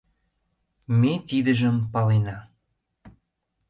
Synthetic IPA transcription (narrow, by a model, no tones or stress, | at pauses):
met̪id̪ə̆ʒə̆mpɑlenɑ